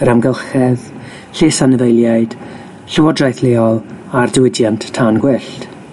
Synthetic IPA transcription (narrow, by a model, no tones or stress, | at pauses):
əɾamɡəlˠχɛð | ɬeːsanəvejlˠjaɨd̥ | ɬɪwɔdrajθleːɔlˠardəwɪdjantʰtʰːaːnɡwɪɬt